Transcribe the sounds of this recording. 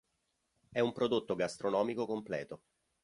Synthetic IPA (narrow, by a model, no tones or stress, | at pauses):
ɛumpɾod̪ot̪ːoɡast̪ɾonɔːmikokomplɛ̰ːt̪o